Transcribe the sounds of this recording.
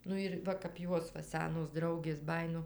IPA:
ˈnʊ ɪr ˈʋɐ kɐp ˈjuɔs ʋɐ ˈsʲæːnoːs ˈdrɐʊɡʲeːs ˈbɑːjɪnoː

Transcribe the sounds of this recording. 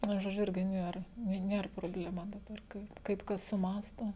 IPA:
ˈnʊ ʒoːˈd͡ʒʲʊ ˈɪrʲɡʲɪ ˈnʲiɛr nʲɪ ˈnʲiɛr proːbʲlʲɛˈmɐ dɐˈbɐr ˈkɐɪ kɐɪp ˈkɐs sʊˈmɑːstoː

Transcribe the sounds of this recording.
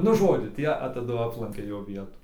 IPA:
nʊ ˈʒoːd͡ʒʲʊ ˈtʲiɛ ɐ tɐˈdʊ ˈɑːplˠɐŋʲkʲɛ ˈjoː ˈʋʲiɛtuː

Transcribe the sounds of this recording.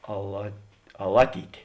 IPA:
ɐlˠɐ ɐˈlˠɑːˌtʲiːtʲeː

